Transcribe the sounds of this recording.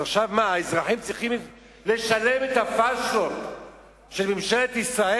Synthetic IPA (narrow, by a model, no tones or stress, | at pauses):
aχʃavmaezʁaħimt͡sʁiχim | le̞ʃalemet̪afasot | ʃelmimʃelet̪isʁae